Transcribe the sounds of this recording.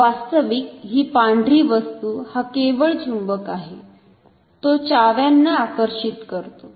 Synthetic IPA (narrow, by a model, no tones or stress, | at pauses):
ʋast̪əʋiːk̚ɦiːpãɳɖʱɾiːʋəst̪uːhakeʋəɭd͡ʑumbəkaɦe | t̪ot͡ɕaʋjanːaːkəɾɕit̪kəɾt̪o